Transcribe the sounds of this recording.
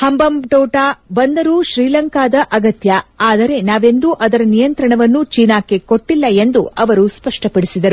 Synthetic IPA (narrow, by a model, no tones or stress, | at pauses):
hɐmbɐmʈɔːʈaːbɐnd̪ɐɾuʃɾiːlɐŋkaːd̪ɐʔɐɡɐt̪jɐaːd̪ɐɾe̞naːʋe̞nd̪uʔɐd̪ɐɾɐnijɐnt̪ɾɐɳɐʋɐnːut͡ʃiːnaːkːeko̞ʈːilːɐend̪uʔɐʋɐɾuspɐʂʈɐpɐɽisid̪ɐɾu